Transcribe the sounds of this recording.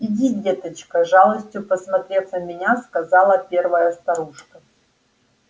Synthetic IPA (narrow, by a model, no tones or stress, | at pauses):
ɪdʲidʲe̞t̪ət͡ɕkəʐalˠəsʲtʲjʊpəsmɐt̪ɾʲet̪səmʲɪnʲaskɐzalˠəpʲe̞rvəjəst̪ɐɾuʂkə